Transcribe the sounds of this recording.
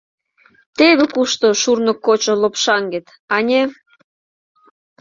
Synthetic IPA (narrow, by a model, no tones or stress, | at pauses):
t̪eβĕkuʃt̪oʃurnokːot͡ɕŏlopʃɑŋɡet̪ | ɑnʲe